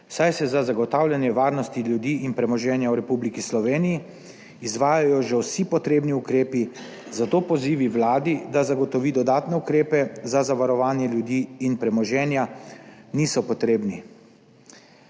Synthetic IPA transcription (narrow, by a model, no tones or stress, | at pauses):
wsajsɛzazaɡɔt̪aːwlʲjanjɛʋaːɾnɔst̪iljud̪iːʔinpɾɛmɔʒɛːnjawɾɛpublikislɔʋeːnijiː | zʋaːjajɔʒɛwsipɔt̪ɾeːbniukɾeːpi | zat̪oːpɔziːʋiwlaːd̪id̪azaɡɔt̪ɔʋiːd̪ɔd̪aːt̪nɛukɾeːpɛzazaʋaɾɔʋaːnjɛljud̪iːnpɾɛmɔʒɛːnjaniːsɔpɔt̪ɾeːbni